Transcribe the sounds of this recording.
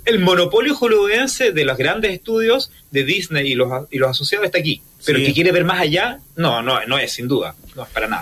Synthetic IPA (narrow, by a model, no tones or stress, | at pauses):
elmo̞nopo̞ljoxulouenseðelozɣɾand̪eseht̪uðjos | ðeðisnejilosilosaso̞sjaðoset̪ak̬i | peɾoekekjeɾeβeɾmasaʝanononoesːind̪uða̰noespaɾana̰ða